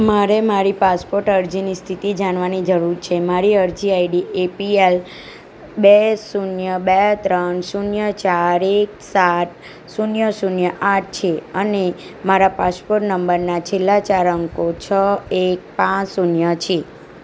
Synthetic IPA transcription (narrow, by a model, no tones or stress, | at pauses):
maɾemaɾipaspoɾʈəɾd͡ʒinist̪ʰit̪id͡ʒaɳʋanid͡ʒəɾuɾt͡ʃʰemaɾiəɾd͡ʒiaiɖiepiel | besunjəbɛt̪ɾənsunjət͡ʃaɾek̚saʈ̚ | sunjəsunjəʔaʈ̚ʰt͡ʃʰeəne | maɾapaspoɾʈnəmbəɾnat͡ʃʰelːat͡ʃaɾəŋkot͡ʃʰəek̚pãt͡ʃsunjət͡ʃʰe